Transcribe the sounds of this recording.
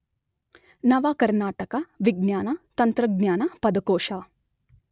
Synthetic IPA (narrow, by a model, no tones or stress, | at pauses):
nɐʋaːkɐɾnaːʈɐkɐʋiɡnjaːnɐt̪ɐnt̪ɾɐɡnjaːnɐpɐd̪ɐkoːʂaː